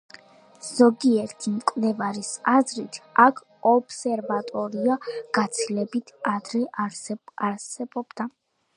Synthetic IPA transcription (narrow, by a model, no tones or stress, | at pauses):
z̥ɔɡiɛɾt̪ʰimkʼvlɛvaɾisazɾit̪ʰakʰ | ɔbsɛɾvat̪ʼɔɾiaɡ̥at̪sʰilɛbit̪ʰad̪ɾɛ | aɾsɛbɔb̥d̪a